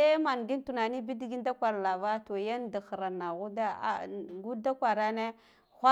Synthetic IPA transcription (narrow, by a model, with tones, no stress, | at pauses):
e˦ma˨nɡi˦n˦tu˨na˨ni˦bi˦dɡi˦n˦da˦kʷa˨ɾla˨va˦to˨ja˦nda˨xɾa˨na˨ɣu˦da˦a̰˨ɡu˦da˦kʷa˨ɾa˦ne˦ | xʷa˦